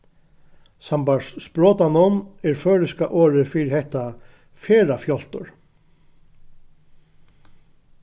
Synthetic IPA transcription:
sampaɹsspɹɔːt̪anɔnɛɾføːɾɪskaʔoːɾɪfɪɾɪɾhɛht̪a | fɛːɾafjɔl̥t̪ʊɹ

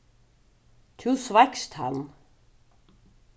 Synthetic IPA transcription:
t̪ʰusvakst̪ha̰n

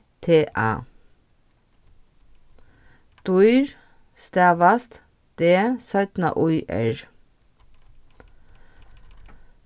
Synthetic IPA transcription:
t̪ʰeːʔɑ̰ː | d̪̥uʏɹ | st̪æːʋɑst̪ | d̪̥eːsœʏt̪nə̰ʔuʏʔɛ̰ɹ

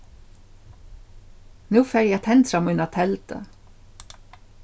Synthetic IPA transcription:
nʉːfæːɾjæt̪ʰɛnt̪fɾɑmʉnɑt̪ʰɛlt̪ʰə̰

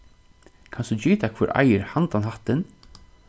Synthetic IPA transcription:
kʰansd̪ud͡ʒiːt̪akʰvʏɾʔa̰jɪɾhant̪anɦaht̪ɪn

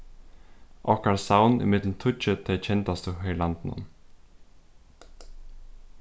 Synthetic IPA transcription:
ʔɔhkaɹsawnḭmɪt̪lnt̪ʰʊt͡ʃət̪ʰɛjt͡ɕʰɛnt̪ast̪uɦœlant̪nʊ̰n

